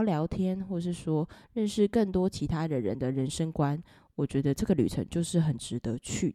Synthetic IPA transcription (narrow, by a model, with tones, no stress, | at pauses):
ljɑ˨˧˥ʊt̪ʰjɛ˥nxwɔ˥˩ʂɻ̩˥˩ʂwɔ˥ɻə˥˧nʂɻ̩˥˧kə˥˩nt̪wɔ˥t͡ɕʰi˧˥t̪ʰa˥ɻə˦nɻə̰˧˦nd̪ə˨ɻə˧˦nʂə˥ŋkwa˦n | wɔ˨˩t͡ɕɥɛ˧˥d̪ə˧ʈ͡ʂɤ˥˩ɡə˩ly̰˨˩ʈ͡ʂʰə̰˧˥ŋt͡ɕjo˥˧ʊʂɻ̩˥˩xə˨˩nʈ͡ʂɻ̩˧˥t̪ə˧˦t͡ɕʰy˥˩